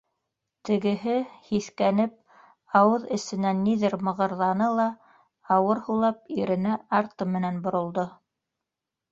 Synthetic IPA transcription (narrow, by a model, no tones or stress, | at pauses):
t̪ɘ̆ɡɘ̆ɦɘhiθkænɘp̚ | ɑwɤðɘ̆sɘ̆nænːiðɘɾmɤ̆ʁɤ̆ɾðɑnɤlˠɑ | ɑwɤɾhulˠɑpiɾɘ̆næɑɾt̪ɤmɘ̆nænbŏɾŏlˠd̪o